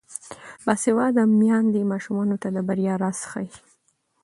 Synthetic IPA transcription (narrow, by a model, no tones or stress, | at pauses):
bɑsɪwɑd̪amjɑnd̪emɑʃumɑnot̪ad̪əbaɾjɑɾɑsxa̰j